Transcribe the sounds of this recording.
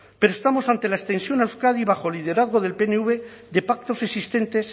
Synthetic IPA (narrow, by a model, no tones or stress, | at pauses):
pe̞ɾoest̪amo̞sant̪e̞laest̪e̞nsjo̞nawskaðiβ̞axo̞eliðe̞ɾaðɣ̞o̞ð̞e̞lpe̞neuβe̞ðe̞pak̚t̪o̞se̞sist̪e̞nt̪e̞s